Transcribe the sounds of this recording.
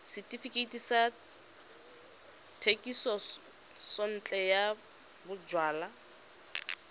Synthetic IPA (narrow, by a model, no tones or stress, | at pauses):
sɪtʼifikʼeitisa | tʰekʼisɔ | sɔn̩t͡ɬʼɛja | bʊd͡ʒwaːla